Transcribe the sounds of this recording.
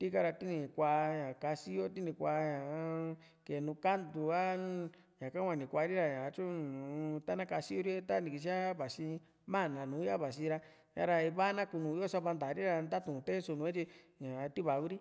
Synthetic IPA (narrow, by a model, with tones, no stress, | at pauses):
t̪i˦ka˧ɾa˧t̪i˦nĩ˧˨kʷa˧ɲã˨ka˧si˦jo˦t̪̬i˦nĩ˧˨kʷa˧ɲã˨˦ | ke˨nũ˧ka˦nd̪u˧a˦ | ɲã˨ka˦wʷã˧nĩ˨kʷa˧ɾi˦ɾa˧ɲã˨˧t͡ʃũ˦nũ˨˧t̪a˦nã˦ka˧si˦o˦ɾi˦e˦t̪a˦nĩ˨˧ki˧ʃ̬i˦a˦βa˨si˧ | mã˦˨nã˨nũː˨˦a˦βa˨s̬i˧ɾa˧ | jã˧ɾa˧i˧βa˦nã˦ku˧nũ˨˧i˦o˦sa˧˦βa˧nd̪a˨ɾi˦ɾa˧nd̪a˦t̪ũ˨˧t̪e˦so˧nũ˧˦ẽ˦t͡ʃi˧ | ɲã˨˧t̪i˦βa˨ɣu˦ɾi˦